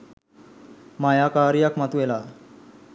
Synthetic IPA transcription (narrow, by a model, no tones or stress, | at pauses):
majakaɾijakmat̪ujela